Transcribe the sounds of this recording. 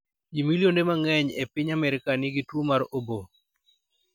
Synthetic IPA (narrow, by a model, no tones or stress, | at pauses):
d͡ʒimiljondemaŋɛɲepɪɲamɛɾɪkanɪɡitwomaɾobo